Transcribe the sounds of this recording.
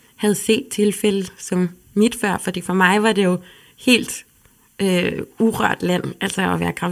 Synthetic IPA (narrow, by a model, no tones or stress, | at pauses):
hæð̞ˠse̝̰ːd̥̚t͡sʰe̝lfeləsɒ̽m | mid̥fɶɐ̰fɒ̽d̥ḭːfɒmɑ̈ɪʋɑ̈d̥e̝jo̝ | he̝̰ːld̥ | øuʁɶɐ̰d̥læn̰æl̰sɒɒʋæːɐkʰʁɑ̈